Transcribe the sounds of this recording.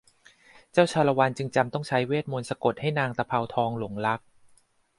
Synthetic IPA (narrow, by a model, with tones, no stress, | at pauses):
t͡ɕaː˥˩wt͡ɕʰaː˧la˧wa˧nt͡ɕɯ˧ŋt͡ɕa˧mt̪ɔ˥˩ŋt͡ɕʰa˦˥jweː˥˩t̪̚mo˧nsa˧ko˨˩t̪̚ha˥˩jnaː˧ŋt̪a˧pʰa˧wt̪ʰɔː˧ŋlu˩˦ŋla˦˥k̚